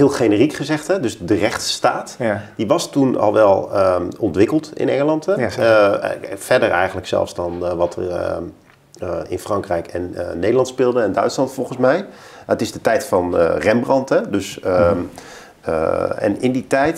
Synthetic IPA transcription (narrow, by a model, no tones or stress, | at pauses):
ɦɪːlˠχenərikχəzɛχtɦɛdɵsdərɛχtstaːtd̥iʋɑstunɑ̰lˠʋɛlˠəɔntʋɪkəlˠtɪ̰nɛŋəlɑntɛ | fɛɹdərɛ̰jχənləksɛ̰lˠfzdɑnʋɑtə̰r | ɪ̰nfrɑŋkrɛjkɛnːejdəlɑntspɪːlˠdəɛndœ̰ɥtslɑntfɔlˠχənsmɛjətɪzdətɛjtfɑnrɛmbrɑntɦɛdɵs | ɛ̰nɪnditɛjt